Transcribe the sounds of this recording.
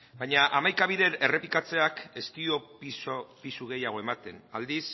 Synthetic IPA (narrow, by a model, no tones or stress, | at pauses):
bajɲaʔamajkaβiðe̞ɾere̞pikat͡se̞ake̞st̪io̞pisopisuɣ̞e̞jaɣ̞o̞e̞mat̪e̞nald̪is